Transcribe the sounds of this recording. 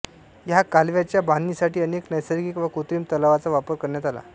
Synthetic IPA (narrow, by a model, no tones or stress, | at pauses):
jakalʋjat͡ɕjabanːiːsaʈiːəneknəjsəɾɡikʋəkut̪ɾiːmt̪əlaʋat͡saʋapəɾkəɾɳjat̪ala̰